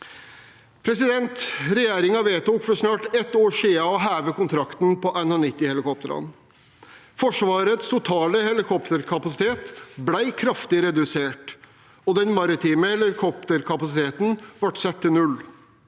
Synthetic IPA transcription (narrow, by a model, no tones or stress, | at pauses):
pʰɾɛsɪd̪ɛnt̪ɾɛjeːɾɪŋɑʋeːt̪uːkfɔʂnɑːʈɛt̪ːoːʂeːɑɔɦæːʋəkʊnt̪ʰɾɑkt̪n̩pʰɔʔæɪnɔnɪt̪ːɪhɛlɪkɔp̚t̪əɾɑ̰n | fɔʂʋɑːɾət̪st̪ʰʊt̪ʰɑːləhɛlɪkʰɔpt̪əɾkʰɑpɑsɪ̥t̪ʰeːt̪blæɪkʰɾɑft̪ɪɾɛd̪ʉseːʈ | ɔd̪ɛnmɑɾɪt̪ʰiːməhɛlɪkʰɔpt̪əɾkʰɑpɑsɪt̪ʰeːt̪nʋɑʈsɛt̪ʰːɪnʉl